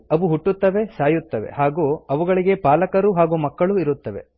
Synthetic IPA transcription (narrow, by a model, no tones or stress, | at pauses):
ɐʋuɦuʈːut̪ːɐʋe̞saːjut̪ːɐʋe̞̰ɦaːɡuːɐʋuɡɐɭiɡe̞paːlɐkɐɾuɦaːɡuːmɐkːɐɭuiɾut̪ːɐʋe̞̰